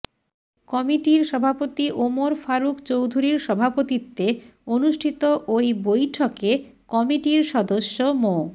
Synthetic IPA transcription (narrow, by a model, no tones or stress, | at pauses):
kɔmiʈiɾʃɔbʱapot̪iʔomoɾfaɾukt͡ɕowd̪ʱuɾiɾʃɔbʱapot̪it̪ːeonuʃʈʰit̪oʔojbojʈʰoke | kɔmiʈiɾʃɔd̪oʃːomo